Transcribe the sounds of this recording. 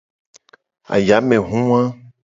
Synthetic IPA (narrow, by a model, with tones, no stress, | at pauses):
a̰˨ja˨˦mẽ˨ɦũ˦ã˦